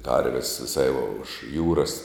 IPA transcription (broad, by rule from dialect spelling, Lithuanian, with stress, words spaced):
ˈkɐrʲʋʲɪs ʋʲɪˈsɐɪ ʊʃ ˈjuːrɐs